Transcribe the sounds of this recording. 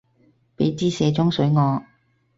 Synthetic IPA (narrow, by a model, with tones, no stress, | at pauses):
pe˨˥jt͡siː˥sɛː˨˧t͡sʊ˥ŋsɵ˨˥ɥŋɔː˨˧